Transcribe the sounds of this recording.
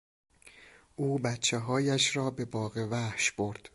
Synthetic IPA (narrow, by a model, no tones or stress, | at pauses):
ʔuːbæt̪t͡ʃʰeɦɒːjæʃɾɒːbe̞bɒːɣevæhʃb̥oɾd̪̥